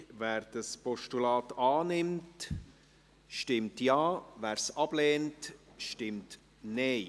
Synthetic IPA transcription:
væːɾd̥əspɔʃtulɑːtɑːnɪmt | ʃtɪmtjɑːvæːɾsɑb̥leːntʃtɪmt | neː

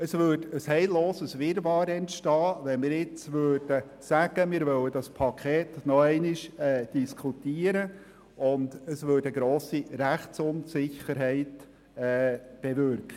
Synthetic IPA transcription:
əsvøːdəshɛɪlloːsəsʋɪɾbɑːɾɛntʃtɑːʋɛnmɪːɾɪt͡svøːrd̥ə | sæɡ̥əmɪːɾvœwədɑspʰɑkʰɛːt̪nɔɛɪnɪʃɛːd̥iskʰutiːəɾə | ʊndəsvøːdəɡɾoːsiɾæχt͡sʊnsɪçəɾɦɛɪt | ɛːb̥evʏɾkχə

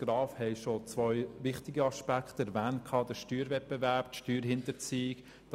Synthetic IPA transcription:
ɡ̥ɾɑːfhɛɪʃot͡sʋœʏʋɪχtɪɡəɑʃpækχtɛɾvæːntkʰɑːdəɾʃtyːɾvɛt̚pevæɾptʃtyːɾɦɪntəɾt͡siːɪk | d̥

